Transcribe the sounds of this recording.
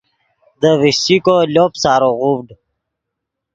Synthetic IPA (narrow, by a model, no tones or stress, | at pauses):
d̪əwisikoloːpsaːɾoʁubɖ